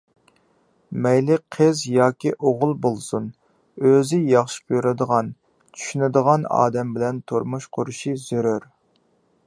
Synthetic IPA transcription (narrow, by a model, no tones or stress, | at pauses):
mɛjlɪqʰəzjɑːkʲiʔoʁʊlˠbolˠsun | øzɪjɑχʃi̥pʰjuɾɪd̪əʁɑn | t͡ʃʰy̥ʃynɪd̪əʁɑnɑ̰ːd̪ɛmbɪlɛnt̪ʰoɾmuʃqʰoɾuʃizøɾyɾ